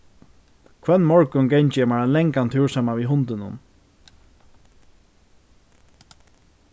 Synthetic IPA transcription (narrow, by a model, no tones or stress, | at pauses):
kʰvɛnːmɔɹkʊnɡɛjɲt͡ʃɪjɛmaɹalɛŋkant̪ʰuːɹsaːmaʋiɦʊnt̪ɪnʊ̰n